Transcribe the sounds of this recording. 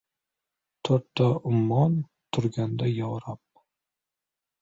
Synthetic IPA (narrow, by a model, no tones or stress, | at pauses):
t̪ʰoɾt̪ʰːaʊmːɒn | t̪ʰʊɾɡʲand̪ajɒɾap̚